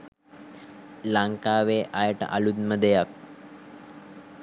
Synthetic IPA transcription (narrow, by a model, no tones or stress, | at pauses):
laŋkaːʋeːʔajəʈə̰ʔɐ̰lud̪məd̪ejak̚